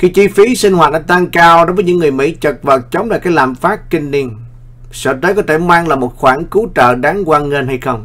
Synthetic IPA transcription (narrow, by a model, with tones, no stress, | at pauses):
xi˧t͡ɕi˧fi˨˦si˧ŋ̟hwaː˨˩t̚ɗaː˧˥t̪a˧ŋkaː˧wɗo˨˦jvə˨˦ɲɨ˧˥ŋːɨ˨˩əjmḭ˧˥t͡ɕə˨˩t̚və˨˩t̚t͡ɕə˨˦wŋ͡mlaː˨˩kaː˨˦jlaː˨˩mfaː˦˥t̚kï˧ŋ̟ni˧ən | sə̰ː˧˩t̪̬əː˨˦jkɔ˨˦˥t̪ʰe˧˩maː˧ŋlaː˨˩mo˨˩t̚xwaː˧˩nku˨˦t͡ɕə̰ː˧˨ɗaː˨˦ŋkwaː˧nŋe˧nɦa˧jxə˧wŋ͡m